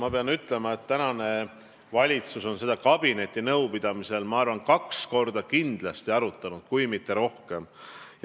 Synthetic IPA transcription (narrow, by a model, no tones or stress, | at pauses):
mɑpe̞ɑnyt̪ːˑle̞mɑe̞t̪ːænɑne̞ | vɑlʲit̪suso̞nse̞d̪ɑkɑb̥ine̞t̪ʲːˑinɤwpid̪̥ɑmise̞lmɑɑrvɑnkɑksko̞rd̪ɑkind̪̥lɑst̪iɑɾut̪ːˑɑnud̪̥̚kujmit̪ːˑe̞ɾo̞hke̞m